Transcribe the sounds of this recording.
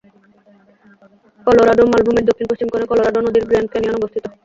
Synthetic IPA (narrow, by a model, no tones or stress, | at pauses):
kɔloɾaɖomalbʱumeɾd̪okʰːinposɕt͡ɕimkonekɔloɾaɖonod̪iɾɡɾeɳɖ̚keniɔnobost̪ʰit̪o